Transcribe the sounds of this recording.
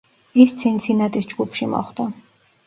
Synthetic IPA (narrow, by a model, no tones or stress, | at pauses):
ist̪sʰint̪sʰinat̪ʼisd͡ʒɡupʰʃimɔ̰χd̪a